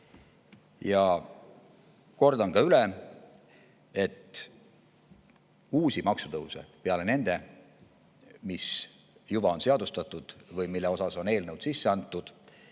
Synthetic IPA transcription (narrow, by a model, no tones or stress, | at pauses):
jɑ | ko̞rd̪ɑnkɑyle | e̞t̪ː | uːsʲimɑksut̪ɤusḛpeɑle̞ne̞nd̪̥e̞ | mis | jub̥ɑo̞nse̞ɑd̪ust̪ɑt̪ːˑud̪̥vɯjmilːe̞o̞sɑso̞ne̞ːlnəwd̪̥sisːe̞ɑnt̪ˑːud̪̥